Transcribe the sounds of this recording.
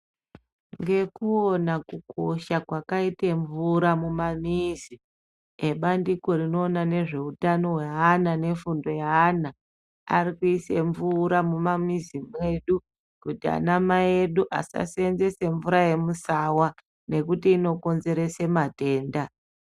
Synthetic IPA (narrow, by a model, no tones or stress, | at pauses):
ŋɡe̞kuo̞nakuko̞ʃakwakaiteɱvuɾamumamiːzi | e̞ɓandiko̞rino̞ːnane̞ʐe̞utano̞ɦweanane̞fundo̞jaːna | a̰rikuiseɱvuɾamumamizimwe̞ɗu | kutia̰namaeɗuʔa̰sa̰sienze̞se̞ɱvuɾaje̞musawa | ne̞kutiːno̞ko̞nze̞ɾe̞se̞mate̞ːnda